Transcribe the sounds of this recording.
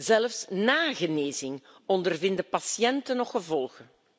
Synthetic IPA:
zɛləfsnaːɣəneːzɪŋ | ɔndərvɪndəpɑsjɛntənɔχəvɔlˠɣə

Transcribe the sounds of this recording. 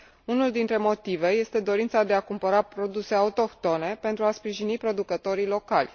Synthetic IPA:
unuld̪int̪ɾe̞mo̞t̪ive̞je̞st̪e̞d̪o̞ɾint̪sad̪e̞akumpəɾapɾo̞d̪use̞aut̪o̞kt̪o̞ne̞pe̞nt̪ɾuaspɾiʒinipɾo̞d̪ukət̪o̞ɾilo̞kalʲ

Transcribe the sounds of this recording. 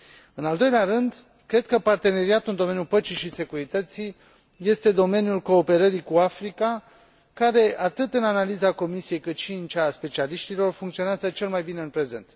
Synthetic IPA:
ɨnald̪o̞jleaɾɨnd̪ | kɾe̞d̪̚kəpart̪e̞ne̞ɾiat̪uɨnd̪o̞me̞njupət͡ʃiʃise̞kuɾit̪ət̪si | je̞st̪e̞d̪o̞me̞njulko̞ːpe̞ɾəɾikuafɾika | kaɾe̞ʔat̪ɨt̪ɨnanalizako̞misije̞jkɨt̪ʃiɨnt͡ʃeːspe̞t͡ʃialiʃt̪ilo̞rfuŋkt̪sio̞neazət͡ʃe̞lmajbine̞ɨnpɾe̞ze̞̰nt̪

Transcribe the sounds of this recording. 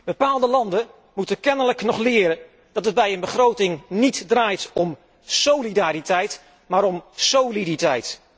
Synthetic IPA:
b̥əpaːlˠdəlɑndə | mutəkɛnələknɔχlɪːɾə | d̥ɑtɦəd̚bɛjənbəχrowtɪŋnitdraːjtɔm | sowlidaːɾitɛjt | maːɾɔmsowliditɛjt

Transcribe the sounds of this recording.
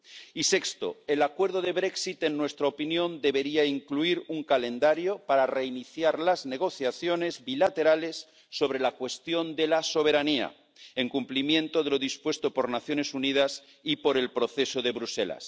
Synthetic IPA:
ise̞kst̪o̞̰elakwe̞ɾðoðe̞βɾe̞ksit̪enːwe̞st̪ɾaopinjo̞nd̪e̞βe̞ɾiaiŋkluiɾuŋkale̞nd̪aɾjo̞paɾare̞iniθjaɾlazne̞ɣ̞o̞θjaθjone̞zbilat̪e̞ɾale̞sː | o̞β̞ɾe̞lakwe̞st̪jo̞nd̪e̞laso̞β̞e̞ɾania̰ | eŋkumplimjẽ̞nt̪oðe̞lo̞ðispwe̞st̪o̞poɾnaθjo̞ne̞sunið̞as | ipo̞ɾe̞lpɾoθe̞so̞ðe̞βɾuse̞̰la̰s

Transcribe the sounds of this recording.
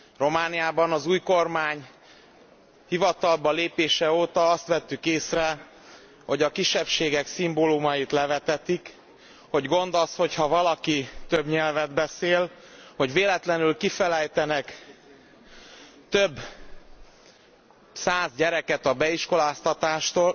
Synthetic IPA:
ro̞maːnijaːbɒnɒzuːjko̞rmaːɲ | hivɒt̪ɒlbɒleːpeːʃɛoːt̪ɒɒst̪ʋɛt̪ːykeːsrɛ | ho̞ɟɒkiʃːɛpʃeːɡɛksimbolumɒjit̪lɛvɛt̪ɛt̪ik | ho̞ɟɡo̞nd̪osho̞chɒvɒlɒkit̪øbɲɛlvɛd̪bɛseːlho̞ɟveːlɛt̪lɛnylkifɛlɛjt̪ɛnɛk | t̪øbː | saːzɟɛɾɛkɛt̪ɒbɛiʃko̞laːst̪ɒt̪aːʃt̪oːl

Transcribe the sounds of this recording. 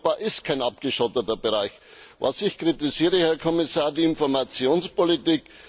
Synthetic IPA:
b̥aːʔɪst̚kʰaɪnap̚ɡ̥əʃɔtətɐbəʁaɪç | va̰sɪçkʁ̥itɪziːʁəhɛɐkʰɔmɪsaːɐdiɪnfɔɐmat͡sjoːnspolitik

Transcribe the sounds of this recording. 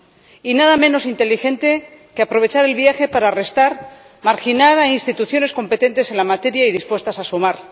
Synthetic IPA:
inaðamẽ̞no̞sint̪e̞lixe̞nt̪e̞keapɾo̞β̞e̞t͡ʃaɾe̞lβjaxe̞paɾaːre̞st̪aɾ | maɾxinaɾainst̪it̪uθjo̞ne̞sko̞mpe̞t̪e̞nt̪e̞se̞nlamat̪e̞ɾjaið̞ispwe̞st̪asasumaɾ

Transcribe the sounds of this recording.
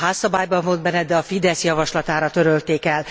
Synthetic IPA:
ɦaːsːɒbaːjbɒmvold̪bɛnɛd̪ɛɒfid̪ɛsjɒvɒʃlɒt̪aːɾɒt̪øɾølt̪eːkɛl

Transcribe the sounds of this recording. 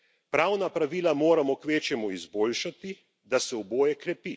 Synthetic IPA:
pɾaːwnapɾaʋiːlamoːɾamɔkʋeːt͡ʃjɛmuizboːlʃat̪i | d̪asɛuboːjɛkɾɛpi

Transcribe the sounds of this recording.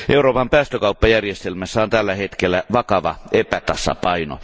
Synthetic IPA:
ʔeuroːpɑmpæːst̪økɑupːɑjærjest̪elmæsːæont̪ælːæhet̪kelːæʋɑkɑʋɑ̰epæt̪ɑsɑ̰pɑino̰

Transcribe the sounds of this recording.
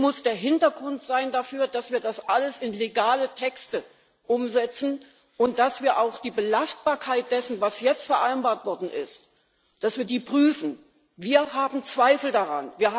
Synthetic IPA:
mʊsd̥eːɐɦɪntɐɡʁʊntz̥aɪndafyːɐdasv̥iːɐdasʔaləsɪnleɡaːlətʰɛkstə | ʔʊmzɛt͡sn̩ | ʔʊnt̚d̥asv̥iːɐʔaʊxd̥iːbəlast̚b̥aːɐkʰaɪt̚d̥ɛsn̩vasjɛt͡stfɛɐʔaɪnbaːɐtv̥ɔɐdn̩ʔɪ̰st | d̥asv̥iːɐdiːpʁ̥yːfn̩ | viːɐɦaːbm̩t͡sv̥aɪfl̩daʁanviːɐa

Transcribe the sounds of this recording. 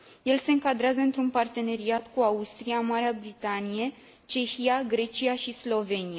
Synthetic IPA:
je̞lse̞ɨŋkad̪ɾazəɨnt̪ɾunpart̪e̞ne̞ɾiat̪kuaust̪ɾiamaɾeabɾit̪anije̞ | t͡ʃe̞çijaɡɾe̞t͡ʃijaʃislo̞ve̞nia

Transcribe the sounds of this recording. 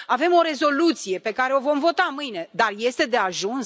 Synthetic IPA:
ave̞mo̞ɾe̞zo̞lut̪sije̞pe̞kaɾe̞o̞vo̞mvo̞t̪amɨjne̞d̪arje̞st̪e̞d̪e̞aʒuns

